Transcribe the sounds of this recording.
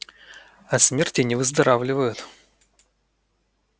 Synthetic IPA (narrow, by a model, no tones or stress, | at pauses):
ɐsmʲertʲɪnʲɪvɨzd̪ɐɾavlʲɪvəjʊt̪